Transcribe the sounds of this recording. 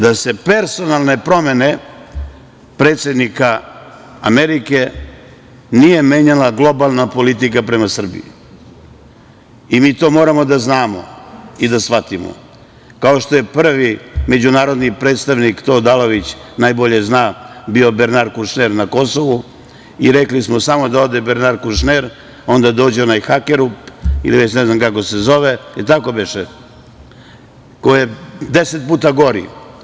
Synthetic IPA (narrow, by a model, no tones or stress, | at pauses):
d̪ase̞pe̞ɾso̞nalˠne̞pɾo̞me̞ne̞ | pɾe̞ːt̪sʲe̞d̪nika | ameɾike̞ | nije̞meɲalaɡlˠo̞balˠnapo̞lit̪̬ikapɾe̞masr̩bḭḭ | imiːt̪o̞ːmo̞ːɾamo̞d̪aznaːmo̞̰id̪asʋat̪imo̞̰ | kao̞ʃt̪o̞je̞pr̩ʋime̞d͡ʑunaːɾo̞d̪nipɾeːt̪st̪aʋnikt̪o̞ːd̪aloʋit͡ɕnajbo̞ʎeznaːbio̞beɾnaɾkuʃneɾnako̞soʋu | iɾeklismosamo̞d̪ao̞d̪ebeɾnaɾkuʃneɾ | o̞nd̪ad̪o̞ːd͡ʑeo̞najxakeɾupḭliʋet͡ɕnɛznamkako̞sezo̞ʋeet̪akobeʃe | kojed̪eset̪̚puːt̪aɡo̞ɾḭ